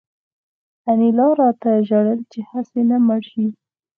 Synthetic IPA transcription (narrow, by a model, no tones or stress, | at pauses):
anilɑɾɑt̪aʒaɽəlt͡ʃehasenamaɽʃi